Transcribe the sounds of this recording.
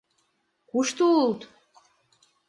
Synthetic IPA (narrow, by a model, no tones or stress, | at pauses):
kuʃt̪oult̪